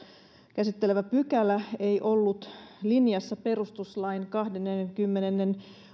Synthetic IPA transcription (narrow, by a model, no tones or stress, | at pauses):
kæsit̪ːeleʋæpykælæe̞ijʔo̞lːut̪linjɑsːɑpe̞ɾust̪uslɑjnkɑhdenːenːeŋkymːenenːen